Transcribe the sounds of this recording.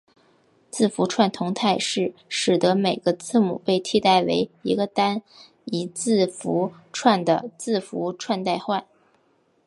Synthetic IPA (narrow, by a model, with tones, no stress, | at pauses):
t͡sɹ̩˥˩fu˧˥ʈ͡ʂʰwa˥˩nt̪ʰʊ˧˥ŋt̪ʰa˥˧ɪʂɻ̩˥˩ʂɻ̩˨˩d̪ɤ˧˥me˨˩ɪɡ̥ə˦t͡sɹ̩˥˩mṵ˨˩pe˥˩ɪt̪ʰi˥˧t̪a˥˩ɪwḛ˧˥ɪi˧˥ɡə˧t̪a˥n | i˧˥t͡sɹ̩˥˩fu˧˥ʈ͡ʂʰwa˥˩nd̪ə˩t͡sɹ̩˥˩fu˧˥ʈ͡ʂʰwa˥˧nt̪a˥˧ɪxwa˥˩n